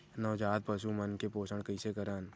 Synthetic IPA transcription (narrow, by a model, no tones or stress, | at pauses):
nɐʋd͡ʒaːd̪̚pəʃumənkepoːsəɽkəɪsekəɾaːn